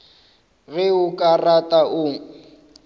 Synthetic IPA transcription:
ɣɪʊkʼaratʼaʔʊːŋ̩

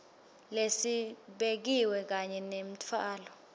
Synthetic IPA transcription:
lesiɓek̬iwɛk̬aɲɛnem̩tʰaːlɔ

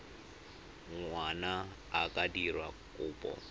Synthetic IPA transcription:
ŋwanaː | kʼadirwa̰kʼʊːpʼɔ̰

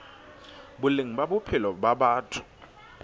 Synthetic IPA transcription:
bʊleŋ̩babʊpʰɪlɔbabaːtʰʊ̥

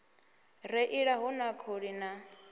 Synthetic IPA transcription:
rɛʔiɺaɦunakʰoɺina

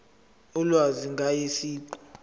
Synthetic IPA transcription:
ulwaziŋɡʱajesiːǃɔ̥

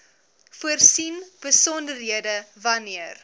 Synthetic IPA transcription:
fuərsinb̥əsɔndərɦiədəvɐniər

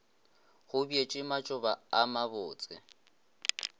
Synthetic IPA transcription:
hʊbiet͡ʃʼɪmat͡ʃʼʊbaamabʊːt͡sʼɪ̰

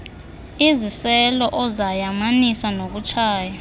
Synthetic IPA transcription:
izisɛlɔʔɔzajamanisanok̬ut͡ʃʰaːja

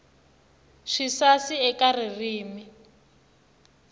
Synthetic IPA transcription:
ʂisasiɛkaririːmi

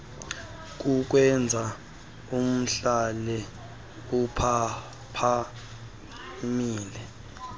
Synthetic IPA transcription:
k̬ʼuk̬wɛnd͡zʱa | um̩ɬalɛ | upʰa | pʰa | miːlɛ

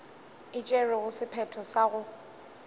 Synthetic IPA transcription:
ɪt͡ʃʼɛrɪɣʊsɪpʰɛtʰɔsaɣʊ

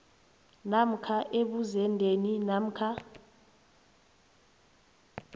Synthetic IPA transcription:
nam̩kʰaʔeɓuzɛndʱeninam̩kʰa

